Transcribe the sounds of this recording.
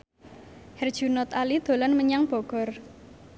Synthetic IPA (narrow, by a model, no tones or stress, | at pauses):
hɛrd̥ʒ̥ṳnɔt̪alid̪̥o̤lanməɲaŋb̥ɔɡ̥ɔ̤r